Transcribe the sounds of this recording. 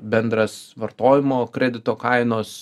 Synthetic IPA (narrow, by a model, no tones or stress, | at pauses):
bʲɛnd̪ɾɐsʋɐrt̪oːjɪmoːkɾʲɛd̪ʲɪt̪oːkɐɪnoːs